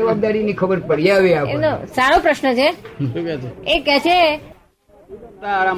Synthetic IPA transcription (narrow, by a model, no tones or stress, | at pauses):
əʋab̚d̪aɾinikʰəbəɾpəɽijaʋeaḛmnosaɾopɾəʃnət͡ʃʰeukɛt͡ʃʰeekɛt͡ʃʰe | ut̪aɾa